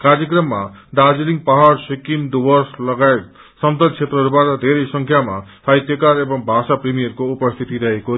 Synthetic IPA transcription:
kaɾd͡ʒɔkɾɔma | ɖ̪ad͡ʒiliŋpaɦaɾsikimd̪ubɔɾslɔɡa | sɔnt̪ɔt͡ʃʰet̪ɾɔɾbaɾɔd̪ʱeɾisɔŋkʰjamasʰajt̪jɔkaɾebɔŋbʱasapɾimijɔɾkuupɔst̪ʰit̪id̪ɛjkoɾi

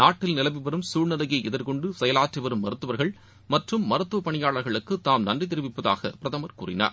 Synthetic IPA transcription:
naːʈːɪlnɪlɐʋɪʋɐɾɯmsuːɻnɐlɐɣɐɪɛðɪɾkɔɳɖɯsɛjɐlaːʈriʋɐɾɯmːɐɾɯt̪ːɯʋɐɾɣɐɭ | mɐʈrɯmːɐɾɯt̪ːɯʋɐpɐɳɪjaːɭɐɾɣɐɭɯkːɯt̪ːaːmnɐndrɪt̪̬ɪɾɪʋɪpːɐða̰ːɣɐ̰pɪɾɐðɐmɐɾkṵːrɪ̰na̰ːɾ

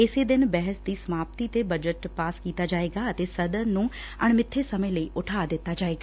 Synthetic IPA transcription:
ɪsed̪ɪnbɛɦəsd̪iːsəmaːp̚t̪it̪ebəd͡ʒəʈpaːskiːt̪aːd͡ʒaːeːɡaːət̪esəd̪əɾnũː | əɳ̃mɪt̪ʰːesəmẽləiːʔʊʈʰaːd̪ɪt̪ːaːd͡ʒaːeːɡaː

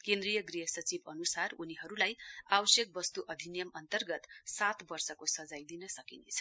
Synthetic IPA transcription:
kẽnd̪rijʌɡriɦʌsʌt͡sibʌnusaruniɦʌɾulajabʌsjʌk̚bʌst̪uʔʌd̪ʱinjʌmʌnt̪ʌrɡʌt̪sat̪bʌrsʌkosʌd͡zajd̪inʌsʌkinet͡sʰʌ̥

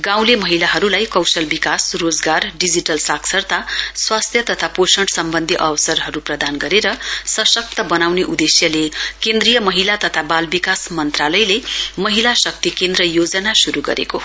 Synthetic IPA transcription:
ɡãw̃lemʌɦilaɦʌɾulajkʌwsʌlbikasrod͡zɡarɖid͡ziʈʌlsaksʌrt̪aswast̪ʰjʌt̪ʌt̪ʰaposʌɳʈsʌmbʌnd̪ʱiʔʌwsʌrɦʌɾuprʌd̪anɡʌɾeɾʌsʌsʌk̚t̪ʌbʌnawneʔud̪esjʌlekend̪rijʌmʌɦilat̪ʌt̪ʰabalbikasmʌnt̪ralʌjlemʌɦilasʌk̚t̪ikend̪rʌjod͡zʌnasuɾuɡʌ̰ɾḛko

